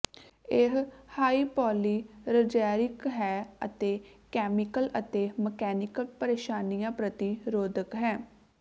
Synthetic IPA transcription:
ɪɦhaːiːpɔːliːɾəd͡ʒaːɾɪkɦɛːə̰t̪eːkɛːmɪkələt̪eːməkɛːnɪkəlpəɾeːʃaːnijãːpɾət̪iɾoːd̪əkɦɛː

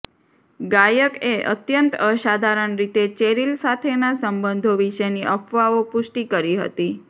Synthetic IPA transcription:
ɡajəkeʔə̰t̪jənt̪əʃad̪ʱaɾəɳɾit̪et͡ʃeɾilsat̪ʰenasəmbənd̪ʱoʋiʃəjniʔəfʰʋaopʊʃʈikəɾiɦə̰t̪i

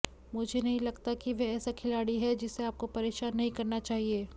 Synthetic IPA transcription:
mʊd͡ʒʱenɐɦĩlɐɡt̪akiʋɛɛːsakʰɪlaːɽiɦɛd͡ʒɪsːeaːp̚kopɐɾeːʃaːnːɐɦĩkɐɾnat͡ʃaːɦieː

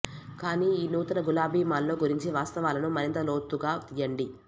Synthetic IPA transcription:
kaːniːiːnuːt̪ɐnɐɡulaːbʱiːmaːlːo̞ːɡuɾiɲt͡ʃiʋaːst̪ɐʋaːlɐnumɐɾint̪ɐlo̞ːt̪ːuɡaːt̪ijɐɳɖi

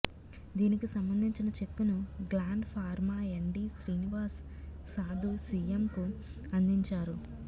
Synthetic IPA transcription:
d̪iːnikisɐmbɐnd̪ʱiɲt͡ʃinɐt͡ʃe̞kːunuɡlaːɳɖpʰaːɾmaːeɳɖisɾiːniʋaːsː | aːd̪ʱusiːemku | ɐnd̪iɲt͡ʃaːɾu

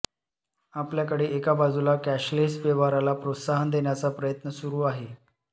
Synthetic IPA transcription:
apljakəɽeːʔekabad͡zulakæɕlesbeʋaɾalapɾot̪saɦənd̪eɳjat͡sapɾəjət̪nəsuɾuːaɦe

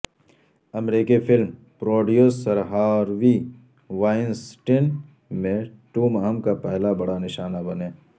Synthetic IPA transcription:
ɐmɾiːkifʰɪlm | pɾoːɖijoːsɐɾɦaɔːɾʋi | ʋaːɪnsʈɪn | mẽʈuːmɦəmkapɛɦlabɐɽanɪʃaːnabɐnẽː

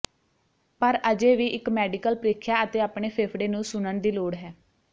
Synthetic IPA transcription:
pəɾəd͡ʒeːʋiːʔɪkmɛːɖɪkəlpɾeːkʰjaːət̪eːaːpɳeːpʰeːpʰɖeːnũːsʊnənd̪iːloːɽɦɛː

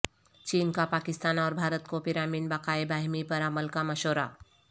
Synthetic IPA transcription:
t͡ʃiːnkapakɪst̪aːnaːɾbʱaːɾət̪kopɪɾamiːnbakaebaɦimipəɾaməlkaməʃoːɾa̰

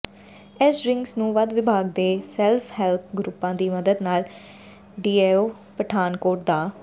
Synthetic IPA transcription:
ɛsɾɪŋɡsnũːʋəd̪ʋɪbʱaːɡ̚d̪eːsɛːlpʰhɛːlp̚ʰɡɾʊpːãːd̪iːməd̪əd̪naːl | ɖiːeːoː | pəʈʰaːnkoːʈ̚d̪aː

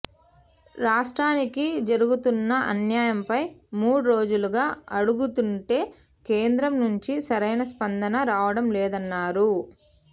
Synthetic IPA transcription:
ɾaːʂʈɾaːnikid͡ʒɐɾuɡut̪unːɐʔɐnjaːjɐmpɐjmuːɽuɾo̞ːd͡ʒuluɡaːɐɽuɡut̪uɳʈe̞ː | keːnd̪ɾɐmnuɲt͡ʃisɐɾɐjnɐspɐnd̪ɐnɐɾaːʋɐɽɐmlɛːd̪ɐnːaːɾu

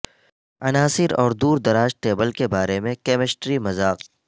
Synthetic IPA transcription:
ɐnaːsɪɾɔ̰ːɾd̪uːɾd̪ɐɾaːʃʈeːbəlkebaːɾemẽkɛːmɪsʈɾimɐzaːq

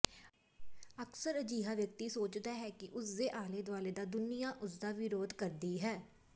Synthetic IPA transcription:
əksəɾəd͡ʒiːɦaːʋjək̚t̪iːsoːt͡ʃd̪aːɦɛːkɪʔʊsd̪eːʔaːleːd̪ʋaːleːd̪aːd̪ʊnɪjaːʔʊsd̪aːʋɪɾoːd̪kəɾd̪iːɦɛː

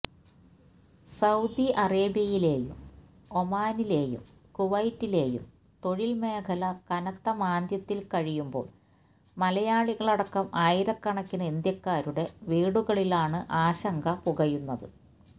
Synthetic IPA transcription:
sɐwd̪iʔɐreːbjɐjile̞ːjṵm | omaːnile̞ːjṵm | kuʋɐjtːile̞ːjṵm | t̪o̞ɻilme̞ːkʰɐlɐkɐnɐt̪ːɐmaːnd̪jɐt̪ːilkɐɻijumbo̞̰ːɭ | mɐlɐjaːɭiɣɐɭɐɽɐkːɐmʔaːjiɾɐkːɐɳɐkʲːunɐend̪jɐkːaːɾuɽe̞ʋiːɽuɣɐɭilaːɳɨʔaːɕɐŋɡɐpuɣɐjunːɐðɨ̰

